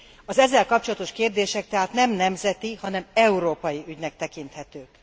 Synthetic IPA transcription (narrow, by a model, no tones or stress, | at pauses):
ɒzɛzːɛlkɒp̚t͡ʃolɒt̪o̞ʃkeːrd̪eːʃɛk̚t̪ɛɦaːt̪nɛmnɛmzɛt̪ihɒnɛmɛuɾoːpɒjiʔyɟnɛk̚t̪ɛkint̪hɛt̪øːk